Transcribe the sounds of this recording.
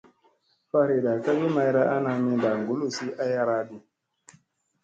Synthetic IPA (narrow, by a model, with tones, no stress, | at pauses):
fa˦ɾe˨ɗa˨ka˦bi˦ma˧jɾa˦ʔa˦na˨mĩ˦ba˨ŋɡo˦lu˦˨si˦ʔa˦ja˦ɾa˦ɗi˨